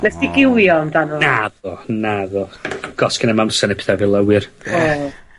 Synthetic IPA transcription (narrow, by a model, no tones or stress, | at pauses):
nɛsd̥iɡɪwjɔndanɔnaðɔnaðɔɡ̥ɔskɪnamansɛnɛpʰe̥θavilˠəwɨro